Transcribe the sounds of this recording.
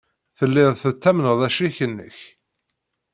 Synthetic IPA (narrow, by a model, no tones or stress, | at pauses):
θəlːɪðˤθət͡sːæmnəðˤæʃiçənːə̰ç